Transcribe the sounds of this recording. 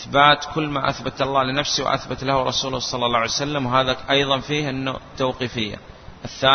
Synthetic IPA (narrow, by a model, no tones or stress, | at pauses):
ʔɪθbaːt̪kʊlːmaʔaθbat̪ɑlˤːɑːlɪnafsiwʔa̰θbat̪lahɾˤɑsuːlsˤɑlːɑlːˤɑːʕajsalːamwɦaːðaʔɑjðˤɑnfiːhɪnːʊ̰t̪ːawqiːfɪjːa̰ʔɪθːaː